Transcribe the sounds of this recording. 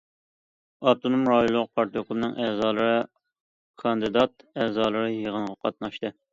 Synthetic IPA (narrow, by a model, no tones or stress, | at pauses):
ɑt̪ʰonumɾɑjolˠːʊq̚pʰɑɾt̪jokʰlunɨŋʔɛːzɑːlˠɨɾɨ | kʰɑnd̪ɨd̪ɑt̪̚ɛːzɑːlˠɨɾɨjeʁənʁɑqʰɑt̪̚nɑʃt̪ɨ